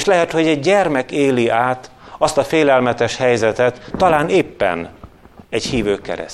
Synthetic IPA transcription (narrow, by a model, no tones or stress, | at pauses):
ʃlɛɦɛt̪ho̞ɟɛɟɟɛrmɛkeːliʔaːt̪ɒst̪ɒfeːlɛlmɛt̪ɛʃhɛjzɛt̪ɛt̪ːɒlaːneːpːɛ̰n | ɛchiːvøːkːɛ̰ɾɛ̰